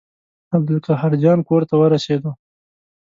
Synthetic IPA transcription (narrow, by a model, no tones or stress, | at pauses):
ab̚d̪əlkahaɾd͡ʒɑnkoɾt̪awəɾased̪o